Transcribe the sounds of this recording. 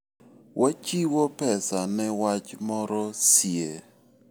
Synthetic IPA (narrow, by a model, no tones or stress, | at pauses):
wʔat͡ʃiwɔpɛsanɛwat͡ʃmɔɾɔsje